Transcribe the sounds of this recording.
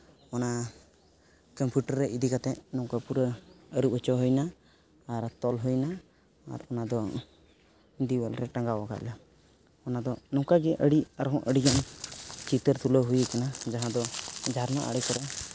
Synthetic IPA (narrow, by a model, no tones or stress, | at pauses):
ɔna | kəmpuʈəɾːɛʔid̪ikat̪ɛʔnɔwkapuɾəəɾup̚hət͡ʃɔɦujnaː | ɾt̪ɔlɦujna̰ː | ɾɔnad̪ɔ | d̪iwəlɾɛʈãŋɡawɔka̰ʔla | ɔnad̪ɔnɔwkaɡɛʔəɽiaɾɦɔ̃ʔʔəɽiɡant͡ʃit̪əɾt̪ʰuləɦujɛkanad͡ʒaɦãd̪ɔd͡ʒʱaɾnɔʔa̰ɽɛkɔɾɛ